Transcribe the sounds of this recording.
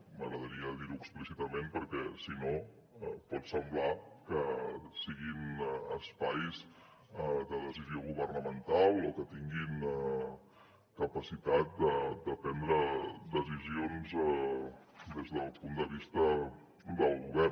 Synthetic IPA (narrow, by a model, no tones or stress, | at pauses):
məɣɾəðəɾiəðiɾuksplisit̪əmenpəɾkɛsino | pɔt̪səmblakəsiɣinəspajz | d̪əðəzizioɣ̞uβərnəmənt̪alˠokət̪iŋɡin | kəpəsit̪at̪̚d̪əd̪əpɛnd̪ɾəd̪əzizionz | d̪ezðəlˠpund̪əβist̪ə | d̪əlˠɣuβɛɾ